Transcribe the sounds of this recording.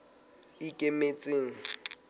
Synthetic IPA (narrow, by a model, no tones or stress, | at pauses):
ikʼemet͡sʼeːŋ̩